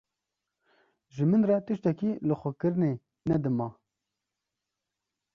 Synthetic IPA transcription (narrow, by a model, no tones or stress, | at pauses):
ʒɨmɨnrɑt̪ɨʃt̪ɛkilɨxʷɛkɨɾɨne | nɛd̪ɨmɑː